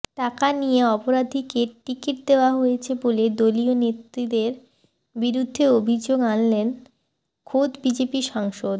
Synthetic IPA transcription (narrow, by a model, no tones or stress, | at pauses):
ʈakanijeɔpoɾad̪ʱikeʈikiʈ̚d̪eoaɦojet͡ɕʰeboled̪olionet̪ɾid̪eɾ | biɾud̪ʱːeobʱid͡ʑoɡanlen | kʰod̪bid͡ʑepiʃaŋʃod̪